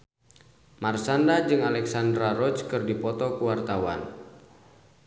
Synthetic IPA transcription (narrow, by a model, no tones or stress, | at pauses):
marsandad͡ʒɨŋalɛksandɾaɾɔt͡ʃkɨrdipɔt̪ɔkuwart̪awa̰n